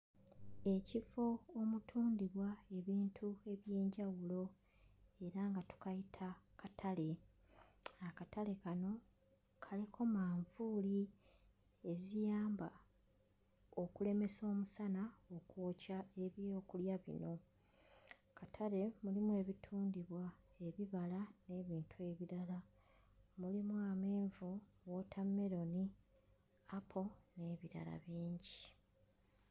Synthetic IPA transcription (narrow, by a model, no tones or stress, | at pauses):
e̞cifo̞ːmutʰuːndiβwae̞βiːntʰue̞βje̞ːɲɟawulo̞ | e̞ɾaŋɡatu̥kajitʰakʰatʰale̞ | akatale̞kano̞ | kʰalikʰo̞maːɱvuːli | e̞zijaːmba | o̞kule̞me̞so̞ːmusanao̞kwoːcae̞βjo̞ːkuljaβḭno̞ | kʰatʰale̞mulimuwe̞ːβitʰuːndiβwa | e̞βiβalane̞βiːntʰue̞βiɾala | mulimuame̞ːɱvu | wotʰamːe̞ɾo̞ni | apʰo̞ne̞βiɾa̰la̰βiːɲɟi